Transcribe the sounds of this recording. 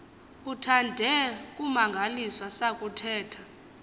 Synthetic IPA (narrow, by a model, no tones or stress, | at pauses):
utʰandʱɛkʼumaŋɡʱaliswasakʼutʰɛːtʰḁ